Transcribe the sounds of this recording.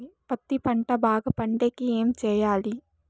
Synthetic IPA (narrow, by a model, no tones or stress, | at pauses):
pɐt̪ːipɐɳʈɐbaːɡɐpɐɳɖeːkieːmt͡ʃɛːjaːli